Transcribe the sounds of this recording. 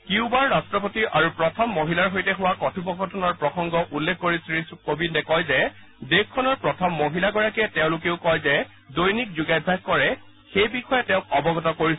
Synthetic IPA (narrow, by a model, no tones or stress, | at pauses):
kiʊbaɹːastɹɔpotiʔaɹupɹɔtʰɔmːoɦilaɹɦojtɛɦʊwakɔtʰupɔɡɔtʰɔnɔɹpɹɔxɔŋɡɔʔulːekʰːoɹisɹiskobindɛkɔjzɛ | dekkʰːɔnɔɹpɹɔtʰɔmːoɦilaɡɔɹakiɛtɛʊ̃lʊkeʊkɔjzɛ | dojnik̚zuɡajbʱːaɡ̚kɔɹɛ | xejbixɔjɛtɛ̃ʊ̃kɔbɔɡɔtɔkoɹis